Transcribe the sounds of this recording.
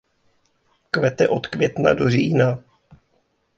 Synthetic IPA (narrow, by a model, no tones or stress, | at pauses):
kvɛt̪ɛʔo̞t̪kvjɛt̪na̰doriːna